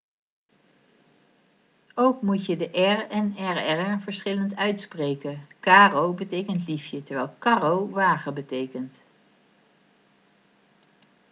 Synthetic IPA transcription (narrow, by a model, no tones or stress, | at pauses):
owkmucjədəʔɛrɛnɛɹɛrəvəɹsχɪləntœɥtsprejkəkaːrowbətejkəntlifjətəɹʋɛlˠkɑrowʋaːχəbətejkənt